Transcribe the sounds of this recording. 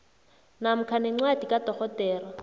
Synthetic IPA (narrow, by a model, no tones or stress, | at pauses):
nam̩kʰanɛŋ͡ǀwadikʼadɔχɔtɛːrɔ